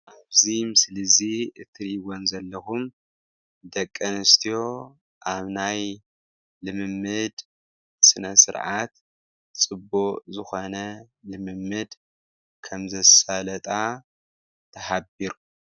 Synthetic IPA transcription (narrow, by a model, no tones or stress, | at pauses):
ʔaβzimɨslɨziɨt̪ʰɨɾiwonzɐlːɐxum | d̪ɐkʼːɐnɨst̪ʰijo̞ | ʔaβnaj | lɨmɨmːɨd̪ | sɨnɐsɨ̰ɾʕat̪ | t͡sʼɨbuzɨxo̞nɐ | lɨmɨmːɨd̪ | kʰɐmzɐsalɐt̪ʼa | t̪ʰɐħabiɾu